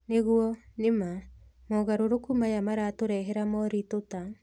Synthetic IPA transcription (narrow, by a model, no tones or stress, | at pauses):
neɣuɔnema | mɔɣaɾoɾokumajamaɾaːtoɾɛɦɛɾamɔɾitota